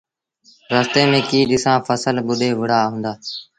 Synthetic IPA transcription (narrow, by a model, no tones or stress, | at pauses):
ɾəst̪eːmẽːkiːɗɪsãːfəsəlɓʊd̪ʱeːʋɪɽ̤aːɦũːnd̪aː